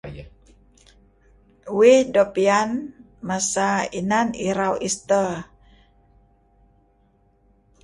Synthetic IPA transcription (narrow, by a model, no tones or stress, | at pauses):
wedopian | masainaniɾawist̪ə